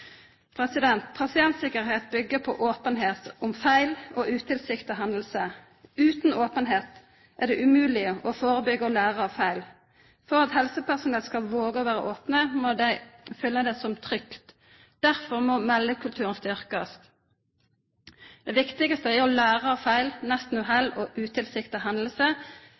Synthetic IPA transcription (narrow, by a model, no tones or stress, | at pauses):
pʰʁɛsɪd̪ɛnt̪pʰʁɑsɪɛnt̪sɪkəʁɦeːt̪̚bʏɡːəpʰɔ̰ʔoːpənɦeːt̪ʊmfæɪloːʔʉːt̪ʰɪlsɪkt̪əɦɑnd̪l̩sə | ʉːt̪noːpənɦeːt̪ | ʔæʁd̪ɛʔʉmʉːlɪəɔfoːʁəbʏɡəɔlæːʁəɑʋfæɪl | fɔʁɑt̪hɛlsəpæʁsʊnɛlskɑʋoːɡəɔʋæːʁə̰ʔoːpnəmoːd̪æɪfʏlːəd̪ɛsɔmt̪ʰʁʏkt̪ | d̪̥æʁfɔʁmɔmɛlːəkʰʉlt̪ʰʉːʁənst̪ʏʁkəst̪ | d̪̥ɛʋɪkt̪ɪɡəst̪əæɔlæːʁəɑfæɪlnɛst̪n̩ɔɦɛlːɔʔʉːt̪ʰɪlsɪkt̪ɪɦɑnd̪l̩sə